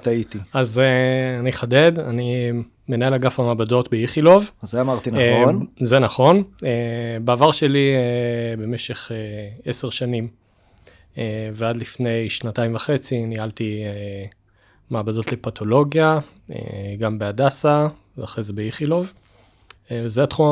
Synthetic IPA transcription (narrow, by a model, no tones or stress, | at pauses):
t̪ait̪iazeaniχade̞d̪ani | me̞nae̞laɡafamabado̞tbeiχilo̞vazeamaʁt̪inanzenaχo̞nebaavaʁʃe̞liebe̞meʃe̞χeeseʁʃanim | evead̪lifne̞jʃnataimvaχe̞t͡sinihalt̪ie | maːbado̞tle̞patʰo̞lo̞ɡja | ḛɡambeadasa | vaχejzebeiχilo̞v | evezeat̪χuma